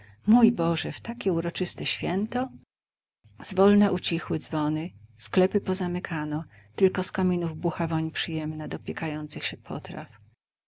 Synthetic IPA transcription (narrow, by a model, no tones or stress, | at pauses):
mujbɔʐɛft̪akʲɛuɾɔt͡ʂɘst̪ɛɕfʲjɛnt̪ɔ | zvɔlnɛʔut͡ɕixwɘd̪zvɔnɘsklɛpɘpɔzamɘkʰanɔt̪ɘlkɔskamʲinuvbuxavɔɲpʂɘjɛmnad̪ɔpʲjɛkajɔnt̪sɨxɕɛpʰɔ̰t̪ɾa̰f